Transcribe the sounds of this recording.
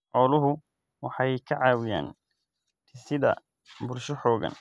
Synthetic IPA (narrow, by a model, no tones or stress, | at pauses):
ʔɔːlʊɦʊ | wɑħɑjkʰɐʕɑːwɪja̰ːn | t̪ʰɪsɪðɐ̰ | bʊrʃɔħɔːɣɐ̰n